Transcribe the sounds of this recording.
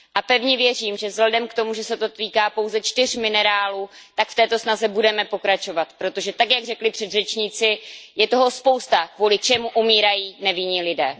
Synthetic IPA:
ʔapɛvɲɛvjɛriːmʒɛvzɦladɛmkt̪o̞muʒɛsɛt̪o̞t̪iːkaːpowzɛt͡ʃt̪ɪr̝mɪnɛɾaːluːt̪akft̪ɛːt̪o̞snazɛbudɛmɛpo̞kɾat͡ʃo̞vat̪pɾo̞t̪o̞ʒɛt̪akjaɡrɛklɪpr̥ɛd̪rɛt͡ʃɲiːt͡sɪjɛt̪o̞ɦo̞spo̞wst̪akvuːlɪt͡ʃɛmuʔumiːɾajiːnɛvɪɲɪlɪdɛː

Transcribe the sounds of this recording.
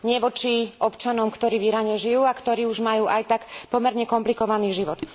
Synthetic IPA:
ɲɪɛʋɔt͡ʃiʔɔpt͡ʃanɔmkt̪ɔɾiːʋiɾaɲɛʒijuːakt̪ɔɾiːuʒmajuːʔajt̪akpɔmɛɾɲɛkɔmplikɔʋaniːʒiʋɔt̪

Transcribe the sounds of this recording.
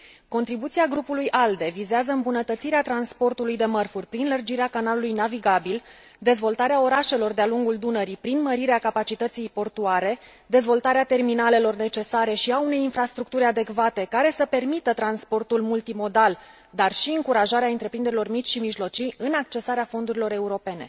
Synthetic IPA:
ko̞nt̪ɾibut̪siaɡɾupulujʔald̪e̞vizeazəɨmbunət̪ət̪siɾeat̪ɾanspo̞rt̪ulujd̪e̞mərfurʲpɾinlərd͡ʒiɾeakanalulujnaviɡabil | d̪e̞zvo̞lt̪aɾeao̞ɾaʃe̞lo̞rd̪ealuŋɡuld̪unəɾipɾinməɾiɾeakapat͡ʃit̪ət̪sijpo̞rt̪uaɾe̞ | d̪e̞zvo̞lt̪aɾeat̪e̞rminale̞lo̞rne̞t͡ʃe̞saɾe̞ʃiaune̞jinfɾast̪ɾuk̚t̪uɾʲad̪e̞kvat̪e̞kaɾe̞səpe̞rmit̪ət̪ɾanspo̞rt̪ulmult̪imo̞d̪al | d̪arʃiɨŋkuɾaʒaɾeaɨnt̪ɾepɾind̪eɾilo̞rmit͡ʃʃimiʒlo̞t͡ʃijɨnak̚t͡ʃe̞saɾeafo̞nd̪uɾilo̞ɾe̞uɾo̞pe̞ne̞̰

